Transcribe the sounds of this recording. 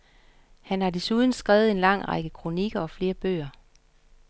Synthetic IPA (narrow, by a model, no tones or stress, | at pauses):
hænhɑ̈d̥e̝suð̞ˠn̩sɡ̥ʁɛːʊð̩ˠe̝nlɑ̈ŋ̰ʁɑɡ̥əkʰʁo̝niɡ̥ɐɒ̽fle̝ːɐb̥ø̰ːɐ